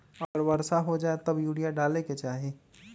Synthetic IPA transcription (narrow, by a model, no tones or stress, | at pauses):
ɐəɾbəɾsaɦod͡ʒaːet̪ɐbjuːɽijaɖaːleket͡ʃaːɦe